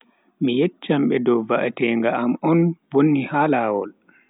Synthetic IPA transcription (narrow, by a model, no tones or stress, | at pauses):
mijɛt͡ʃːamɓɛdɔwvaʔatɛŋɡaːmɔnbonːihalaːwɔ̰l